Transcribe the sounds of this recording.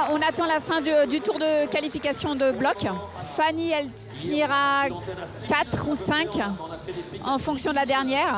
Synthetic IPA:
ɔ̃nat̪ɑ̃lafɛ̃d̪d̪yt̪uʁd̪əkalifikasjɔ̃d̪əblɔkfaniɛl | finiʁa | kat̪χusɛ̃k | ɑ̃fɔ̃ksjɔ̃d̪əlad̪ɛʁnjɛːʁ

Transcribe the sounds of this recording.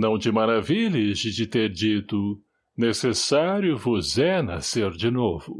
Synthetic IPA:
nɐ̃w̃t͡ʃɪmaɾavilɪzd͡ʒɪd͡ʒɪt̪eɾd͡ʒit̪ʊ | nesesaɾjʊvʊzɛna̰seɾd͡ʒɪnovʊ

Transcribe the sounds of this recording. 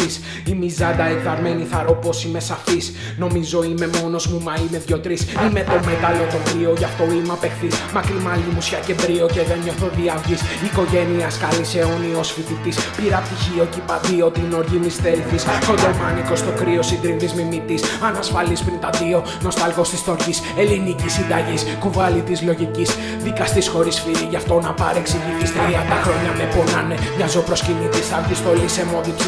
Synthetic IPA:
is | imizɐd̪ɐevðɐɾmeniθɐɾo̞po̞sime̞sɐfis | no̞mizo̞ime̞mo̞no̞zmumɐime̞ðʝo̞t̪ɾisime̞t̪o̞met̪ɐlo̞t̪o̞kɾio̞ʝɐft̪o̞imɐpe̞xθismɐkɾimɐlimusçɐce̞d̪ɾio̞ce̞ðenɲo̞θoðiɐvʝisiko̞ʝe̞niɐskɐlise̞o̞niosfit̪it̪ispiɾɐp̚t̪içio̞cipɐðio̞t̪ino̞ɾʝimist̪elθisxo̞d̪o̞mɐniko̞st̪o̞kɾio̞sind̪ɾint̪izmimit̪isɐnɐsfɐlispɾint̪ɐðio̞ | no̞st̪ɐlɣo̞st̪ist̪oɾcise̞linicisind̪ɐʝispuvɐlit̪izlo̞ʝicis | ðikɐst̪isxo̞ɾisfiɾiʝɐft̪o̞nɐpɐ̰ɾeksiʝit̪ist̪iɾiɐt̪ɐxɾo̞ɲɐmeponɐ̰nemɲɐzopɾo̞scinit̪ist̪ɐvʝist̪o̞lise̞mo̞ðis

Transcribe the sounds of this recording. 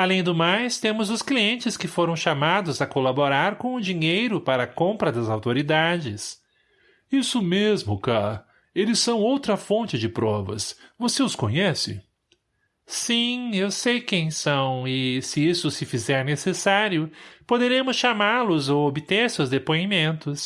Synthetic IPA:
alẽj̃d̪ʊmajst̪ẽmʊzʊskliẽnt͡ʃɪskɪfoɾɐ̃w̃ʃamad̪ʊzɐkolaboɾaɾkõʊd͡ʒiɲejɾʊpaɾɐkõmpɾɐd̪ɐzawt̪oɾid̪ad͡ʒɪs | isʊmezmʊka | elɪsːɐ̃w̃owt̪ɾɐfõnt͡ʃɪd͡ʒɪpɾɔvɐ̰svoseʊskõɲɛsɪ̰ | sĩewsejkẽj̃sɐ̃w̃ɪsɪisʊsɪfizɛɾnesesaɾjʊpod̪eɾẽmʊsʃamaɾlʊzowobɪt̪eɾsewzd̪epoimẽnt̪ʊs

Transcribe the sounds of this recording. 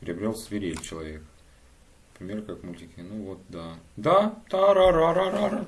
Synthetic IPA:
pʲɪɾʲɪ̰ɐbɾʲolˠsvʲɪɾʲelʲt͡ɕɪlˠɐvʲek | pɾʲɪmʲeɾkakmulʲt̪ʲɪkʲɪnuvot̪̚d̪ad̪ad̪̥aɾaɾaɾaɾaɾa

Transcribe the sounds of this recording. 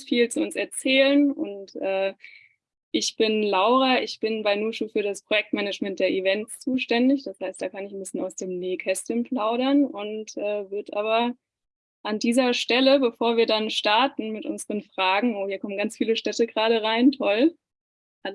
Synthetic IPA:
fiːlt͡suʊnsɛɐt͡sɛːlənʔʊ̰ntʔɛː | ʔɪçb̥ɪnlaʊʁ̞aʔɪçb̥ɪnbaɪnuːʃufyːɐɾaspʁ̥ojɛk̚tmɛnəd͡ʒmɛntd̥eːɐʔivɛntst͡suːʃtɛndɪçd̥ashaɪstd̥aːkʰanɪçn̩bɪsjənaʊsd̥eːmneːkʰɛstənplaʊɾɐnʔʊntʔɛːvɪɐtʔaːβɐ | ʔandiːzɐʃtɛləbəfoːɐviːɐdanʃtaɐtn̩mɪtʔʊ̰nzəʁənfʁ̥aːɡŋ̩ʔoːhiːɐkʰɔmənɡant͡sfiːləʃtɛtəɡʁaːɾəʁaɪntʰɔl | ʔa

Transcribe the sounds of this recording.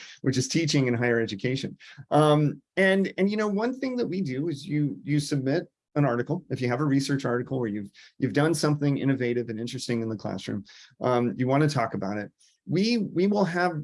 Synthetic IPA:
wɨt͡ʃɨz̥tʰit͡ʃɪ̃ŋɨ̃nɦaɪə˞ɛd͡ʒɨkʰeɪʃɨ̰̃nʔʌ̃mɨ̃nɨ̃njɨñoʊwʌ̃nθɪ̃ŋðəʔ̚widɨɪzjɨjɨsɨb̚mɪɾ | ə̃nɑɹɾɨkl̩ˠɨfjɨɨvəɹisɜ˞t͡ʃɑɹɾɨkl̩ˠwə˞jʉv̥jʔʉvdʌ̃nsʌ̃mθɪ̃ŋɪ̰̃ɾ̃ɨveɪɾɨvɨ̃nɪ̃nt͡ʃɹ̥ɨstɪ̃ŋɨ̃nðɨkʰl̥æ̰sɹʉ̰̃mʔʌ̃jɨwɑ̃nɨtʰɔkəbaʊɾɨt̚ | wiwiwɪlˠəv

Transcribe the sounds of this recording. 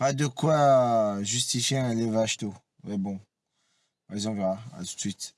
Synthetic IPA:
pad̪əkwaʒyst̪ifjeɛ̃levaʃt̪o | wɛbɔ̃ | ɛzɑ̃vɛʁaa̰t̪u̥t̪sɥit̪

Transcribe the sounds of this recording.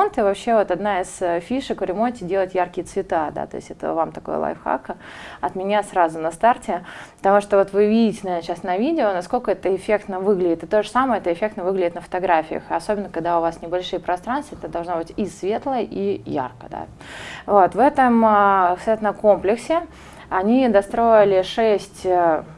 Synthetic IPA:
ont̪ɨvɐpɕːe̞vo̞t̪ɐd̪naɪsəfʲiʂɨkvɾʲɪmonʲtʲɪdʲelˠətʲjarkʲɪjət̪svʲɪt̪ad̪a̰t̪o̞̰ɪsʲtʲɛt̪ə̰vamt̪ɐko̞̰jə̰lˠa̰jfxa̰kəɐt̪mʲɪnʲasɾazʊnɐst̪artʲɪpə̥t̪ɐmuʂt̪ovo̞t̪vɨvʲidʲɪtʲɪnɐvʲernəɕasnɐvʲidʲɪonɐsko̞lʲkəɛt̪əɪfʲekt̪nəvɨɡlʲɪdʲɪt̪ɨt̪o̞ʐəsaməjəɛt̪əɪfʲe̞kt̪nəvɨɡlʲɪdʲɪt̪nəfə̥t̪ɐɡɾafʲɪjə̰xɐsobʲɪnːəkɐɡd̪aʊvasnʲɪbɐlʲʂɨjəpɾɐst̪ɾanst̪vəɛt̪əd̪ɐlˠʐnobɨtʲisvʲe̞t̪lˠəʔija̰rkəd̪a̰ | vo̞t̪vɛt̪əmksat̪nəkomplʲɪksʲɪ | ɐnʲid̪ɐst̪ɾo̞ɪlʲɪʂɛsʲtʲə

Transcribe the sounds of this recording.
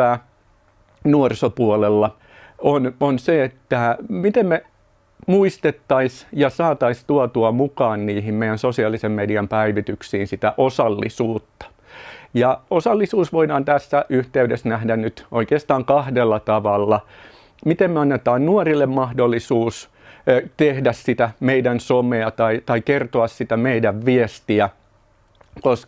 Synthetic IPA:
æː | nuorsopuolelːɑ | ononseet̪ːæmit̪emme | muist̪et̪ːɑisjɑsɑːt̪ɑist̪uɑt̪uɑmukɑːnniːhimmeijˑænsosiɑlisemmediɑmpæiʋit̪yksiːnsit̪æʔosɑlːḭsuːt̪ːɑ̥ | jɑosɑlːisuːsʋoidɑːnt̪æsːæʔyht̪eydesnæhdænnyt̪ʔoikeːst̪ɑːŋkɑhdelːɑt̪ɑʋɑlːɑ | mit̪emmeɑnːet̪ɑːnnuɑrilːemmɑhdolːisuːs | t̪ehdæssit̪æmeidænsomeɑt̪ɑit̪ɑikert̪oɑssit̪æmeidæʋʋiest̪iæ | kosk

